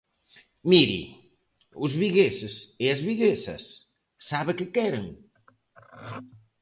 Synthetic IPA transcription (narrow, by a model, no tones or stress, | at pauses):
miɾḭ | uzβiɣeseseɐzβiɣesɐ̰sː | aβekekɛɾeŋ